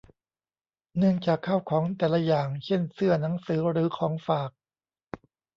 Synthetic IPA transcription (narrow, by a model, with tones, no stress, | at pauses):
nɯ˥˩əŋt͡ɕaː˨˩kʰːaː˥˩wkʰɔː˩˦ŋt̪ɛː˨˩la˦˧jaː˨˩ŋt͡ɕʰe˥˩nsɯ˥˩ɐna˩˦ŋsɯː˨˩˦ɾɯː˩˦kʰɔː˩˦ŋfaː˨˩k̚